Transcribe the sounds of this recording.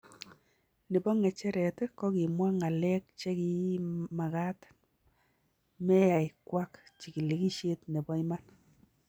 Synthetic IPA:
ni˨bɔ˦ŋɛ˨t͡ʃɛ˦ɾɛ˨tkɔ˦ki˨mwa˦ŋa˨lɛ˦k̚t͡ʃe˦ki˦ma˨ka˦t | mɛ˦ja˨jkwa˦kt͡ʃi˨ki˨le˨ki˦ʃe˦tne˨bɔ˦i˦ma˦n

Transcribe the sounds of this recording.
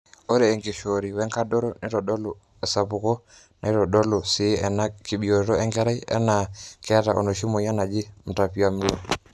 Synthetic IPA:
o˦ɾɛː˨ŋɡe˨ʃo˨ɾi˨wɛ˦ŋka˦dɔ˦ɾɔ˦ne˦ɾɔ˨ɗɔ˦lo˨ | ɛ˨sa˨pu˨kɔ˦ | na˨i˦ɾɔ˨ɗɔ˦lo˨sɪ˨˦ɛ˨na˦ki˨ɓi˨o˨ɾɾɔ˦ɛ˦ŋɡɛ˦ɾa˦i˦ɛ̰˦na˨kɛ˦ta˨ʔo̰˨no˨ʃi˦mo˨ja˦na˨d͡ʒɪ˦m̩˨ta˨pi˦a˨m˦lɔ̰˨

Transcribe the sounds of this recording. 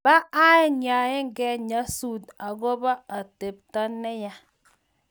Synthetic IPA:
b̥a˦ʔa˦je˦ɲa˨je˦ŋ˦ɡɛ˦ɲa˦su˨da˨ɡo˦ba˦a˨te˨p̚ta˦nɛ˦ja˦

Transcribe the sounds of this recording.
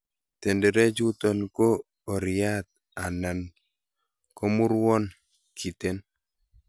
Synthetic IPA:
te˨ndɛ˨ɾe˦d͡ʒu˦tɔ˨nkoː˦˨ | ɾɪja˦t̪̚ | a˨na˨n | ko˦mu˦ɾwɔ˦n | kʰi˨te˦n

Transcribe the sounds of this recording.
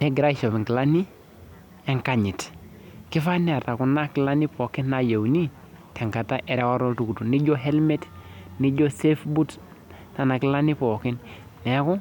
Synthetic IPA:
ne˦ɡɾa˦ʃo˨bi˨ŋki˨la˦ni˦ | e˦ŋka˨ɲi˨t | ki˦fa˦ne˨ɾta˨ku˨na˦ki˨la˦ni˦po˨ki˦nːa˨ja˨wni˦ | te˨ŋka˨ta˦ʔe˨ɾe˦wa˦ɾo˦ltu˨ku˨tu˨ni˦ɟo˦ɦe˦lme˦tni˦ɟo˦se˦fbu˦t | na˨na˨ki˦la˦ni˦po˨ki˦nː | e˨˦ku˦

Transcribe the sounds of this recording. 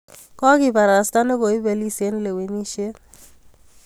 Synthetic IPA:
kɔ˦kɪ˨pa˨ɾa˨sta˦no˦bo˨i˦be˨li˦se˦nle˨wi˨ni˦ʃje˦n

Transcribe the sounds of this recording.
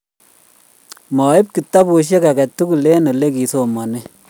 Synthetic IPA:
mɔ˨ɪ˦p̚ki˨tːa˦po˨ʃ̬je˦ka˨kɛ˨tːu˦ku˨le˦no˨le˦ki˨so˨mɔ˨ni˦

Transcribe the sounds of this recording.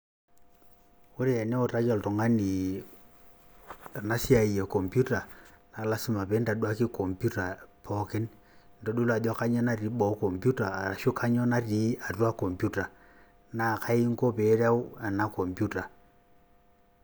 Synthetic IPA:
o˦ɾi˦ɛ˨nɛ˦o˨ta˦ɣɔ˨ltɔ˨ŋa˦ni˨ | a˨na˦si˦a˨i˨jɛ˨kɔ˨mpju˦ta˨na˨la˦si˦ma˨pe˨˦nda˨ɗwa˦ki˦ko˨mpju˦ta˨pʰɔ˦ke˦n | n˨do˨˦ɗu˦la˨da˦ka˦ɲɔ˦na˦ɾi˨˦ɓɔ˨˦ko˨mpju˦ta˨a˨a˨ʃo˦kʰa˦ɲɔ˦na˦ɾi˨˦a˨twa˦ko˨mpju˦ta˨ | na˨ka˦i˦ŋko˦pe˨˦ɾa˦u˦a˨na˦ko˨mpju˦ta˨

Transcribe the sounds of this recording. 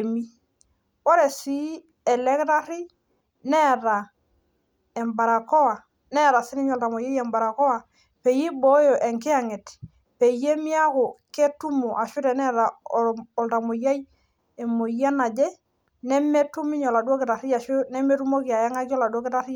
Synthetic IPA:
mi˦ | ɔ˦ɾɛ˨si˦ | ɛ˨lɛ˦kɾa˦ɾi˦ | nɛ˦ɾa˨ | ɛ˨mba˨ɾa˨kɔ˦wa˨ | nɛ˦ɾa˨si˦ni˦ɲɔ˨lta˨mo˨ja˦jɛ˨mba˨ɾa˨kɔ˦wa˨ | pe˨ji˦bɔ˦jo˨ʔe˨ŋkɪ˦a˦˨ŋe˨t | pe˨je˦mi˦a˦kʊ˨ke˦tu˦mo˨ʔa˨ʃu˦ɾɛ˨nɛ˦ɾa˨ɔ˨lta˨mo˨ja˦j | e˨mo˨ja˦na˨d͡ʒɛ˦ | nɛ˦me˦tu˦mi˦ɲɔ˨la˨dwo˦kɪ˨ɾa˨ɾi˦ja˨ʃu˦nɛ˦me˦ɾu˦mo˦ki˨a˨ja˦ŋa˦ki˦ɔ˦la˨do˦kɪ˦ɾa˦ɾi˦

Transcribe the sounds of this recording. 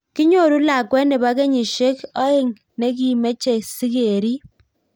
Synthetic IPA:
ki˦ɲo˦˨ɾu˦la˨kwɛ˦ne˨ba˦ke˦ɲi˨ʃe˦kɔ˦e˦˨ŋ | ne˦k̬i˨me˦t͡ʃe˨si˦ke˨ɾi˦

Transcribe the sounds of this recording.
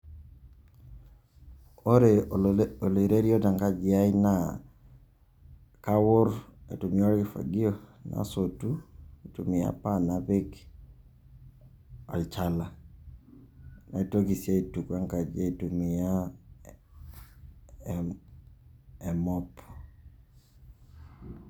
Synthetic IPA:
o˦ɾe˨o˨lo˨ɾe˦ɾi˦ɔ˦da˨ŋka˦d͡ʒɪa˦ɪna˦ | ka˦wʊ˦ɾḛ˨tu˨miɔ˦ɾifa̰˨ɡi˦o˦na̰˨so˨tu˦i˨tu˨mi˨ja̰˦pa˦na˨be˦k | a̰˨lt͡ʃa˦la˨ | na˨i˦to˦ki˨sa˦i˨tu˨kwa˦ŋka˨d͡ʒa˦e˨tu˨mi˨ja˦ | ɛ˨mɔ˦p

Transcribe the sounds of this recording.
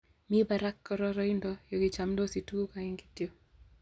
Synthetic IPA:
mi˦ba˨ɾa˦kːɔ˦ɾɔ˦ɾɔ˦i˦ndɔ˦jo˨ki˨t͡ʃa˨mdo˦si˨tu˦ku˦ka˨i˦ŋɡi˦tjo˦

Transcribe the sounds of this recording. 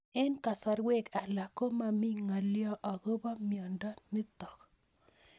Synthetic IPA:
ɛ˦nka˨sa˨ɾwe˦˨ka˨la˨ko˦ma˨mi˦ŋa˨ljɔ˦ʔa˨ɡo˦bɔ˦mjɔ˨ndɔ˦nɪ˦tɔ˨k

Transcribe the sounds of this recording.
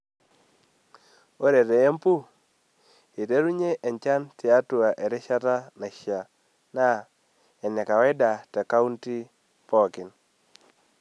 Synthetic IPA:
o˦ɾe˨ɾe˨e˦mpu˦ | e˨de˦ɾu˦ɲe˦ʔɛ˨nt͡ʃa˦ntɪ˨a˦tʊ˨a˨ʔe˨ɾɛ˦ʃa˦ta˦na˨ʃa˨ | na˦ | ɛ˨nɛ˨ka˨wɛ˦da˨ta˨ka˦u˦nti˦ | pɔ˦˨kɪ˨n

